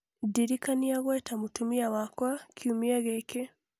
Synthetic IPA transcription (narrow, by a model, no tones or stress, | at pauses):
diɾikaniaɣwetamutumiawakwakʰiumiaɣeke